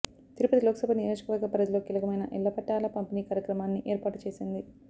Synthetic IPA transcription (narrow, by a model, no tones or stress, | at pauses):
t̪iɾupɐt̪ilɔːkɐsɐbʱɐniɾɐːʃɐ̥kɐʋɐɾɡɐpɾɐd͡ʒɐloːkiːlɐkɐmɐjnɐʔḭlːɐpɐʈːaːlɐpɐmpiniːkaːɾjɐkɾɐmaːnːiʔeːɾpaːʈut͡ʃe̞ːsind̪i